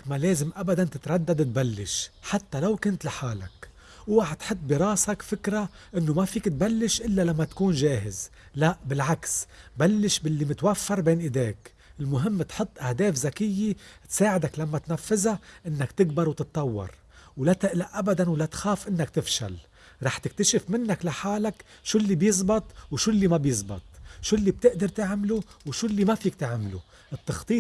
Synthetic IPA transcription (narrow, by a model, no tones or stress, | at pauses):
maleːzɪmʔabad̪ant̪ɪt̪ɾˤɑd̪ːad̪ɪt̪̚balːɪʃħat̪ːalawkʊnt̪lɪħaːla̰k | wwaħt̪ħɨt̪̚ˤːbiɾˤɑːsakfɪkɾa | ʔɪnːomafiːkt̪̚balːɪʃʔɪlːalamːat̪ḁkuːnʒaːɦɪz | laʔbɪlʕaksbalːɪʃbɪlːimɪt̪wafːɑɾˤbeːnʔɪd̪eːk | ɪlmʊɦɪmːt̪ħʊt̪ˤːʔahd̪eːfzakɪjːɪt̪saːʕɪd̪aklamːat̪nafːɪzaʔɪnːakt̪ɪɡbɑɾˤwt̪ɨt̪ˤːɑwːɑ̰ɾˤ | wlat̪ɪʔlaʔʔabad̪anwlat̪xaːfʔɪnːakt̪ɪfʃa̰l | ɾˤɑːħt̪ɪk̚t̪aʃɪfmɪnːaklaħaːlak | ʃuːlːibjɨzˤbɑt̪ˤwʃuːlːimabjɨzˤbɑ̰t̪ˤʃulːib̚t̪ɪʔd̪ɑɾˤt̪ɪʕmluwʃuːlːimafiːk̚t̪ɪʕmlṵ | ʔɪt̪ːɑxt̪ˤiːt̪